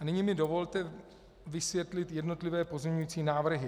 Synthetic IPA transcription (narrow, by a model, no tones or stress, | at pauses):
anɪɲimɪdo̞vo̞lt̪ɛ | vɪsvjɛt̪lɪt̪jɛdno̞t̪lɪvɛːpo̞zmʲɛɲujiːt͡siːnaːvr̩ɦɪ